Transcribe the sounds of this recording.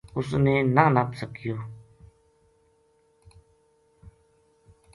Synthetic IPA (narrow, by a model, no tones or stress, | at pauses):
ʊsneːnanəpsəkɪjoː